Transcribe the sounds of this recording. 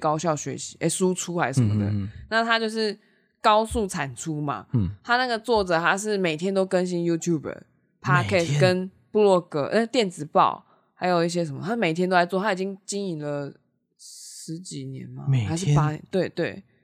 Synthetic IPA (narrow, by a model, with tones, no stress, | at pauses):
kɑ˥ʊɕjɑ˥˩ʊɕɥɛ̰˧˥ɕi˧˥ʔe˥˩su˦ʈ͡ʂʰu˦la˧˥ɪʂə˧˦mə̰˧d̪ə̰˩na˥˨t̪ʰa˥t͡ɕjo˥˧ʊʂ̬ɻ̩˥˩ | kɑ˥ʊsu˥˩t͡sʰa˨˩nʈ͡ʂʰu˦ma̰˨t̪ʰa˥na˥˩ɡə˨˩t͡swɔ˥˨˩ʈ͡ʂɤ˨˩t̪ʰa˥ʂ̬ɻ̩˥˩me˨˩ɪt̪ʰjɛ˥nt̪̬o˥ʊkə˦nɕ̬i˦nju˥t̪ʰju˥˩bə̰˨˩ | pʰa˧˥kʰɛ˥˩skə˦n | pu˥˧lwɔ˥˧kɤ˧˩na˧t̪jɛ˥˩nt͡sɹ̩˨˩pɑ̰˥˩ʊ | xa˧˥ɪjo˨˩ʊi˥˩ɕ̬jɛ˥ʂ̬ə˨˩nmə̰˧˩a˥me˨˩t̪ʰɛ˥no˥ʊa˧˦t͡swɔ˥˨˩t̪ʰa˥˨i˨˩t͡ɕi˦˥ŋt͡ɕi˥ŋi˨˩lə˨ | ʂɻ̩˧˦t͡ɕi˨˩njɛ̰˧˦nma̰˨xa˧˥ɪʂɻ̩˥˨pa˥nɛ˧˦nt̪we˥˩ɪt̪we˥˩ɪ